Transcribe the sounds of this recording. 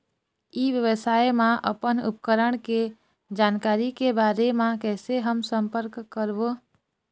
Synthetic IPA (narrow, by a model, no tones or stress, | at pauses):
iːʋjəʋəsaːjmãʔə̰pənʊ̰p̚kəɾəɳ̃ke | d͡ʒaːnkaːɾikebaːɾemãkɛːseɦəmsə̃mpəɾkkːəɾʋo